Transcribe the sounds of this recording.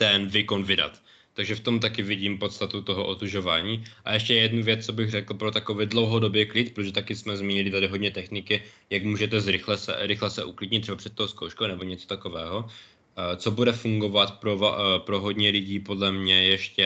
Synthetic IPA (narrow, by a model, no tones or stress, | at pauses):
t̪ɛnvɪko̞nvɪda̰t̪ː | aɡʒɛft̪o̞mt̪̬akɪvɪɟiːmpo̞t̪st̪at̪ut̪oɦoʔot̪uʒo̞vaːɲiːʔa̰ʔɛʃcɛjɛdnuvjɛt͡st͡sobɪɣrɛkl̩pɾot̪akovɪdlo̞wɦo̞do̞bjɛklɪt̪pɾot̪oʒɛt̪akɪsmɛzmiːɲɪlɪt̪adɪɦodɲɛt̪ɛxnɪkɪ | jakmuːʒɛt̪ɛzɾɪxlɛsɛ̰ɾɪxlɛsɛʔuklɪdɲɪt̪rɛbapr̥ɛt̪t̪ːowskowʃkownɛboɲɛt͡sot̪akovɛːɦo̞ | t͡sobudɛfuŋɡo̞vat̪pɾov̰pɾoɦod̪ɲɛlɪɟiːpo̞dlɛmɲɛjɛʃcɛ